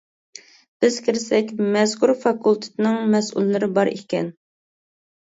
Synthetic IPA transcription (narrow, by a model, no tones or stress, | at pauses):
b̥ɪz̥kʲʰiɾɪsɛkʲmɛskuɾfɑkʰulˠt̪ʰɪ̥t̪ɪnɪŋmɛsṵlˠːɨɾɪbɑɾḭkʲɛ̰n